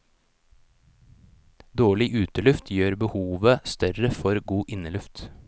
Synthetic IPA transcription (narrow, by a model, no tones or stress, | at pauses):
d̪oːɭɪʔʉːt̪əlʉft̪ʰjøːɾbəhuːʋəst̪œɾəfɔɾɡuːʔɪnəlʉft̪